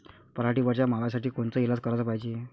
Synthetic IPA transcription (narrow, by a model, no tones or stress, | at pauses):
pəɾaʈiːʋəɾt͡ɕjam̤aʋasaʈiːkoɳt͡səːilad͡zkəɾat͡səpaɦid͡ʑie